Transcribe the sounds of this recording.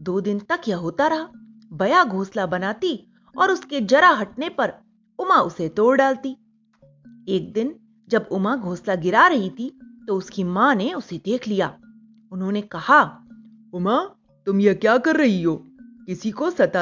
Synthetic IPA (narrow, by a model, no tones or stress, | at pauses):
d̪oːd̪ɪnt̪ɐkjaɦoːt̪aɾɐɦa | bɐjaɡʱoːslabɐnaːt̪i | ɔːɾʊsked͡ʒɐɾaɦɐʈ̚nepɐɾ | ʊmaʊset̪oːɽɖaːlt̪iː | eːk̚d̪ɪn | d͡ʒɐbʊmaɡʱoːslaɡɪɾaɾɐɦit̪ʰit̪oʊskimãːneʊsed̪eːkʰlijaː | ʊnɦõːnekɐha | ʊma | t̪ʊmjɐkjaːkɐɾːɐɦiɦoːkɪsikosɐt̪a